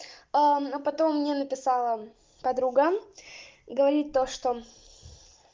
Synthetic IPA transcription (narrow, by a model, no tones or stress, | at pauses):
anopɐt̪o̞mːnʲenəpʲɪsɑlˠə | pɐd̪ɾuɡə | ɡəvɐɾʲit̚ʲt̪oʂt̪o